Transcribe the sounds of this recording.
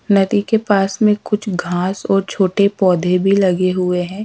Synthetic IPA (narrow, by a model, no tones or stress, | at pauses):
nɐd̪ikepaːsmẽkʊt͡ʃʰɡʱãːsɔːɾt͡ʃʰoːʈepɔːd̪ʱebʱilɐɡeɦʊeɦɛ̃ː